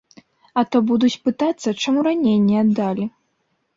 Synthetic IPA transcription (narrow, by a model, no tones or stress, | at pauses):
ɐt̪ɔbud̪ut͡sʲpɨt̪at̪sːɐt͡ʂamuɾanʲejnʲːiad̪ːalʲi